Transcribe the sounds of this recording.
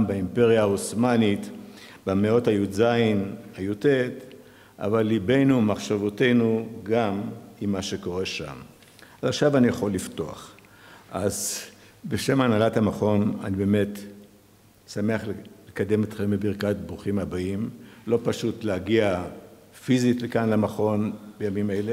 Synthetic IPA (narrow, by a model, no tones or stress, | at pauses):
baimpeʁjaːosmanit̪bameo̞thajuzainhajutet | ʔa̰valːibe̞jnumaχʃavote̞jnuɡamimːaʃeko̞ʁe̞ʃa̰m | azaχʃavanijaχo̞lːifto̞a̰χ | ʔaz | beʃe̞manalathamaχo̞na̰nibe̞met̪ | same̞aχllekad̪e̞met̪χembebiʁkat̚bʁuχimabaimlo̞paʃutleaɡia | fizitlekanlamaχo̞nb̥ejamimele